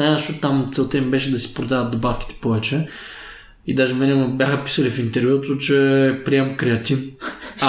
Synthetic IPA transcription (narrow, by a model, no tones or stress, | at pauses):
anɛʃot̪t̪amt̪sɛlˠt̪ɛmibɛʃɛd̪ɐsi̥pɾod̪avɐt̪̚d̪obafk̟ʲi̥t̪ɛ̥pɔvɛt͡ʃɛ | id̪aʒɛmɛnɛbʲjaxəpi̥sɐlifint̪ɛɾvʲjut̪ot͡ʃɛpɾiɛmkɾɛɐt̪if